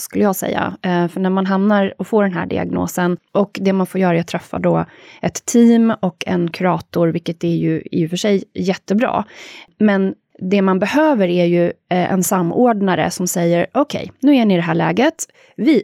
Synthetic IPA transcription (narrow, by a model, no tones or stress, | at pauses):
skɵlːəjɑːɡsɛ̰jːa̰fœɳæɾmanɦamnaɾɔfoːɖɛnɦæ̰ːɖɪ̰a̰ɡno̰ːsənʔɔkd̪ɛmanfoːɾjœːɾajat̪ʰɾɛfːa̰ɖɔʔɛt̪ʰːiːmɔkʰɛ̰nkʰʉɾɑːt̪ʊɾvɪlkːət̪̚d̪ɛæɾjɵɛ̰ɪɾjɵfœʂɛjːɛt̪ːəbɾɑ̰ːmɛn | d̪ɛmanbɛhøːvəɾæɾjɵʔɛ̰nsamːoːɖɳaɾə̰sɔmsɛjːəɾʔɔkʰɛ̰jnʉ̟ːæɳɪd̪ɛɦæːɭɛːɡət̪ | vɪ